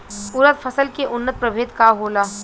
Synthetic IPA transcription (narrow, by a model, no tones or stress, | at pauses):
ʊɾət̪fʰɐsəlkeʔʊnːət̪̚pɾɐbʱeːt̪kaɦoːlaː